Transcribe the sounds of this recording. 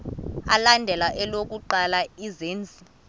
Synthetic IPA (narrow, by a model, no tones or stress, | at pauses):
a̰landʱɛlaʔɛlok̬ʼuǃalaizeːnd͡zʱi